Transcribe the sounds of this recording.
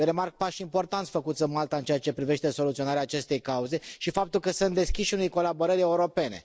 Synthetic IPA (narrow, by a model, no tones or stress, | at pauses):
ɾe̞mark̚paʃimpo̞rt̪ant̪sʲfəkut̪sʲɨnmalt̪aɨnt͡ʃeat͡ʃe̞pɾive̞ʃt̪e̞so̞lut̪sionaɾeaːt͡ʃe̞st̪e̞jkauze̞ʃifap̚t̪ulkəsɨnt̪d̪e̞skʲiʃunejko̞labo̞ɾəɾie̞uɾo̞pe̞ne̞̰